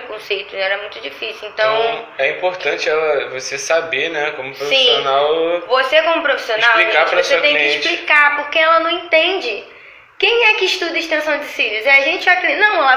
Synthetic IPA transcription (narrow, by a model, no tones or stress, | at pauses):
kõsejt̪ʊɛɾɐmũj̃t̪ʊd͡ʒifisjuẽnt̪ɐ̃w̃ɛĩpoɾt̪ɐ̃t͡ʃɪɛlɐvosesabenɛkõmʊpɾoofsĩsionawvosekõmʊpɾofi̥sionawikãɾɐvoset̪ẽj̃kɪɪʃt͡ʃlikapoɾkeɛlɐnɐ̃w̃ẽnt̪ẽnd͡ʒɪ | kẽj̃ɛkɪɪʃt̪ud̪ɐiʃt̪ẽsɐ̃w̃d͡ʒɪsiɾʊziaʒẽnt͡ʃɪaklinɐ̃w̃ɛlɐ